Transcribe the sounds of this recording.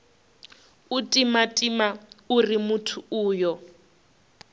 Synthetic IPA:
utʼimatʼimaurimutʰuuːjɔ

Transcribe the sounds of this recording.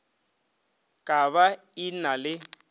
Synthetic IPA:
kʼaβa | inalɪ

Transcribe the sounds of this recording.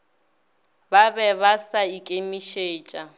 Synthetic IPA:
babɛβasaikʼemiʃeːt͡ʃʼa

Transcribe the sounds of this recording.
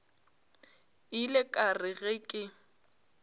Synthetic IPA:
ɪlɪkʼarɪɣɛkʼɪ

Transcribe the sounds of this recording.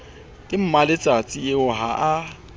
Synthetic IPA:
tʼɪm̩malet͡sʼat͡sʼɪɪʊɦaʔa

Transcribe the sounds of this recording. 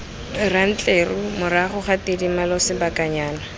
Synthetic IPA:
ran̩t͡ɬʼerʊmʊɾaχʊχatidimalɔsɪbakʼaɲaːna

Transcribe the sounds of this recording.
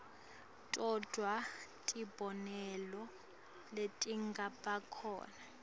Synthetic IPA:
tʼɔd̥ʱwatʼib̥ʱɔnɛlɔ | letʼiŋɡapʼakʰɔ̰ːna

